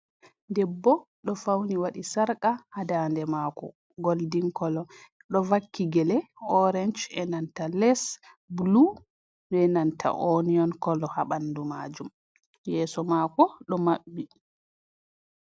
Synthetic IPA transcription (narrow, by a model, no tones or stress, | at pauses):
dɛbːɔ | ɗɔfawniwaɗisaɾkahadandɛmaːkɔ̰ | ɡoldiŋkɔlɔ | ɗɔvakːiɡɛlɛɔɾɛnd͡ʒɛnantalɛs | blu | ɗɛnantʰa̰ʔoniɔnkɔlɔhaɓandumaːd͡ʒum | jɛːsɔmakɔɗɔmaɓːi